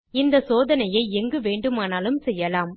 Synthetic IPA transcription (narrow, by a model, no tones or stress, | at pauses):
ɪnd̪ɐsoːðɐnɐjɐɪɛŋɡɯʋeːɳɖɯmaːnaːlɯmsɛjːɐlaːm